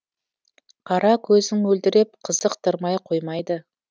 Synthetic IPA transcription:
qʰɑɾɑkʲʰɵzɪŋwɵld̪ɪɾe̞p̚qʰəzəqt̪ʰəɾmɑjqʰo̞jmɑjd̪ə

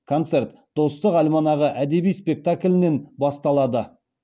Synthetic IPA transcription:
kʰo̞nt̪se̞rt̪ | d̪̥o̞st̪əqɑlʲmɑnɑʁəʔæd̪e̞bijspe̞k̚t̪akʲlʲɪne̞nbɑst̪ɑlˠɑd̪ə

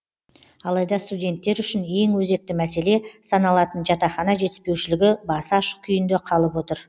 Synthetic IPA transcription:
ɑlˠɑjd̪ɑst̪udʲe̞nt̪ːe̞ɾʏʃɪne̞ŋwɵze̞k̚t̪ɪmæse̞le̞sɑnɑlˠɑt̪ənʒɑt̪ɑχɑnɑʒe̞t̪ɪ̥spe̞wʃɪlɪɡʲɪbɑsɑʃkʲʰʏjɪnd̪e̞qʰɑlˠəpwo̞t̪əɾ

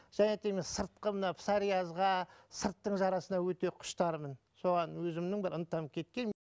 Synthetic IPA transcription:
ʒ̥ænet̪emesəɾt̪̚qəmənɑpsɑɾijazʁɑsəɾt̪ːəɴʒɑɾɑsənɑwɵt̪e̞qʰʊ̥ʃt̪ɑɾmən | so̞ʁɑnwɵzɪmnɪŋbɪɾənt̪ɑmkʲʰe̞t̪̚kʲe̞n

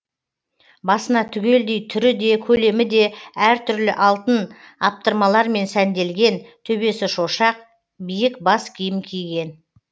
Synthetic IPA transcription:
bɑsənɑt̪ʰʏɡʲe̞ld̪e̞jt̪ʰʏɾɪd̪e̞kʲʰɵle̞mɪd̪e̞æɾt̪ʰʏɾlɪʔɑlˠt̪ən | ɑp̚t̪əɾmɑlˠɑɾme̞nsænd̪e̞lɡʲe̞nt̪ʰɵbe̞sɪʃoʃɑq̚ | bijɪkbɑskʲʰijɪmkʲʰijɡʲe̞n

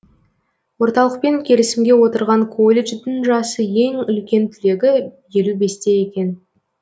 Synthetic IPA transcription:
wo̞ɾt̪ɑlˠəq̚pe̞ŋkʲʰe̞ɾɪsɪmɡʲe̞wo̞t̪əɾʁɑŋkʰo̞lʲːe̞ʒd̪ɪŋʒɑsəje̞ŋʏlkʲe̞nt̪ʰʏle̞ɡʲɪje̞lube̞st̪e̞je̞kʲe̞n

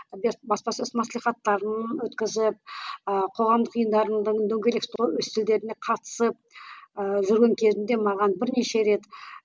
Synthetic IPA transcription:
bbɑspɑsʏzmɑslˠijχɑt̪ːɑɾənənwɵt̪kʲɪzɪp̚qʰo̞ʁɑmd̪əqəjənd̪ɑɾəd̪əɴd̪ɵŋʲɡʲe̞lekst̪owɵst̪ʰɪld̪e̞ɾɪne̞qʰɑt̪ə̥səp̚ | ʒʏɾɡʲe̞ŋkʲʰe̞zɪnd̪e̞mɑʁɑnbɪɾneʃe̞ɾe̞t̪

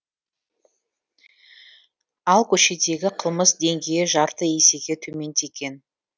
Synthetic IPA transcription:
ɑlˠkʲʰɵʃe̞d̪e̞ɡʲɪqʰəlˠməsd̪e̞ŋɡʲejɪʒɑɾt̪əe̞se̞ɡʲe̞t̪ʰɵme̞nt̪e̞kʲe̞n

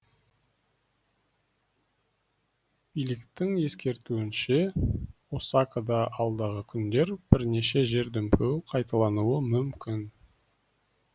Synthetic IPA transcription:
b̥ijlɪkt̪ɪŋe̞skʲe̞ɾt̪uɪnʃe̞wosɑkad̪ɑʔɑlˠd̪ɑʁəkʲʰʏnd̪e̞ɾb̥ɪɾne̞ʃe̞ʒe̞ɾd̪ʏmpʰewqʰɑjt̪ɑlˠɑnuəmʏmkʲʰɪn

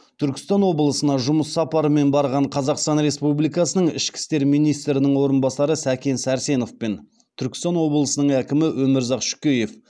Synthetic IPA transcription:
t̪ʰʏɾkʲɪ̥st̪ɑnwo̞bəlˠəsənɑʒʊməsːɑpɑɾəme̞nbɑɾʁɑɴqʰɑzɑqst̪ɑnɾe̞spublijkɑsənəɴɪ̰ʃkʲɪ̥st̪e̞ɾmijnijst̪ɾɪnɪŋwo̞ɾənbɑsɑɾəsækʲe̞nsæɾse̞no̞fpen | t̪ʰʏɾkʲɪ̥st̪ɑnwo̞blˠəsənəɴækʲɪmɪwɵmɪɾzɑqʃʏ̥kʲeje̞f

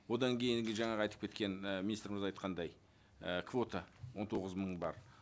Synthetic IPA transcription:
wo̞d̪ɑŋkʲʰejɪŋɡʲɪʒɑɴɑʁɑjt̪ə̥pkʲʰe̞t̪kʲe̞nəmʲinist̪ɾɪmɪzɑjt̪qɑnd̪ɑj | əkʰvo̞t̪ʰəwo̞nt̪ʰo̞ʁəzməɴbɑɾ

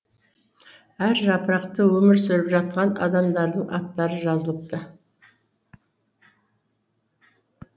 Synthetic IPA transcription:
æɾʒɑpəɾɑqt̪əwɵmɪɾsʏɾɪpʒɑt̪̚qɑnɑ̰d̪ɑmd̪ɑɾd̪əɴɑ̰t̪ːɑɾəʒɑzəlˠəp̚t̪ə

